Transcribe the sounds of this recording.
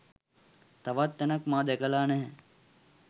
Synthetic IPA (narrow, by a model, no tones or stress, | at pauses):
t̪aʋat̪ːɛnɐkmaːd̪ɛkəlaːnɛɦɛ